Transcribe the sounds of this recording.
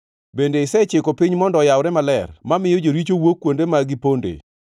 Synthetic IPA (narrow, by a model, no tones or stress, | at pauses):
bendeɪsɛt͡ʃɪkopiɲmɔndɔjawɾɛmalɛrmamɪjod͡ʒoɾit͡ʃowokːwondemaɡɪpondḛ